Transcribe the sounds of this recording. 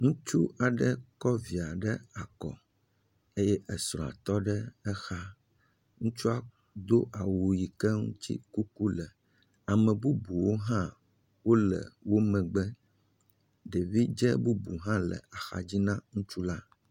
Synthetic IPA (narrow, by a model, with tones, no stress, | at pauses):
ŋũ˦t͡ʃu˦a˨ɖɛ˦kɔ˦vi˨a˨ɖɛ˦a˨kɔ̰˨ | e˦jɛ˦ʔɛ˨sɾɔ̃˨a̰˨t̪ɔ˦ɖɛ˦ɛ˦xa˦ | ŋũ˦t͡ʃu˦a˦ | d̪o˦ʔa˨wo˨ji˨kɛ˦ŋṵ̃˦t͡ɕḭ˦ku˦ku˦lɛ˨ | a˨mɛ̃˨bu˦bu˨wo˦ɦã˦ | wo˦lə̰˨wo˦mɛ̃˨ɡ͡bɛ˦ | ɖe˨vi˦d͡ʒɛ˦bu˦bu˨ɦã˦lɛ̰˨a˨xa̰˨d͡ʑi˦nã˦ŋũ˦t͡ʃu˦la˦